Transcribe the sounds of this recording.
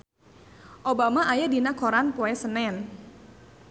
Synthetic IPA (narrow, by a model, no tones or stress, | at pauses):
ʔobamaʔajadinakʰɔɾanpoɛsənɛn